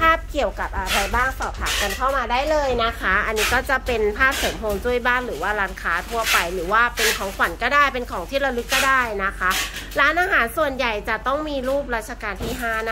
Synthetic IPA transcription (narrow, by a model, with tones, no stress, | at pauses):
pʰaː˥˩p̚ki˨˩əwka˨˩p̚ʔa˧ɾa˧jbaː˥˩ŋsɔː˨˩p̚t̪ʰaː˨˦m̚ka˧nkʰa˥˩wmaː˧daː˥˩jlɤː˧jna˦˥kʰa˦˥ʔa˧nːiː˦˥kɔː˥˩t͡ɕa˨˩pe˧npʰaː˥˩p̚soː˩˦mʰoː˧ŋt͡ɕu˥˩əjbaː˥˩nɾɯː˩˦waː˥˩ɾaː˦˥nkʰaː˦˥t̪ʰu˧ɐpa˧jlɯː˩˦waː˥˩pe˧nkʰɔː˩˦ŋkʰwa˨˩˦nkɔː˥˩daː˥˩jpe˧nkʰɔː˩˦ŋt̪ʰiː˥˩ɾa˧lɯ˦˥kːɔː˥˩daː˥˩jna˦˥kʰa˦˥ɾaː˦˥nʔaː˧ɦaː˩˦nsu˨˩ənja˨˩jt͡ɕa˨˩t̪ɔ˥˩ŋmiː˧ɾuː˥˩p̬̚ɾaː˦˥t̪̚t͡ɕʰa˧kaː˧nt̪ʰiː˥˩ɦaː˥˩n˦˧